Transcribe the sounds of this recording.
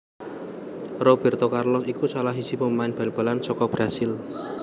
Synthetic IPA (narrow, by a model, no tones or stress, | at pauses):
rɔb̥ɛ̤rt̪ɔkarlɔsikusalaɦid̥sipəmaɪnb̥alnb̥a̤lansɔkɔb̥ɾasɪl